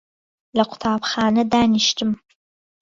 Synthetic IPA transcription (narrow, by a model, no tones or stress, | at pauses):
lɐqʷʊ̥tʰaːpχaːnɐdaːniʃtʰɨm